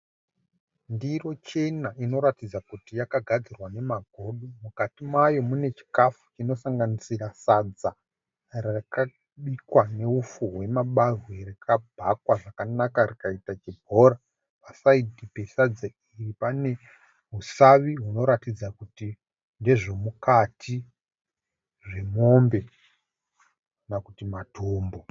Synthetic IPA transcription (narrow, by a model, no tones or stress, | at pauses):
ndiro̞t͡ʃe̞naino̞ɾatid͡zakutijakaɡʱad͡zirwane̞maɡʱo̞ːɗomukatimajo̞mune̞t͡ʃi̥kafu̥t͡ʃino̞saŋɡanisirasad͡za | raka | ɓikwane̞ufuɦwe̞maɓazweɾekʰabʱakwaʐakanakarikaitat͡ʃibʱo̞ɾa | pasaidipe̞sad͡za | iripane̞ | ɦusaʋiɦuno̞ɾatid͡zakuti | nde̞ʐo̞mukatʰi | ʐe̞mo̞mbe̞ | nakutimatʰuːmbo